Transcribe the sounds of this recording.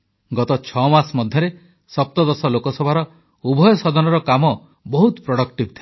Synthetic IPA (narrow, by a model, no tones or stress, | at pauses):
ɡɔt̪ɔt͡ʃʰɔmasmɔd̪ʱjɔɾe | sɔp̚t̪ɔd̪ɔsɔlokɔsɔbʱaɾɔ | ubʱɔjɔsɔd̪ɔnɔɾɔkamɔ | bɔɦut̪pɾɔɽɔkʈibt̪ʰi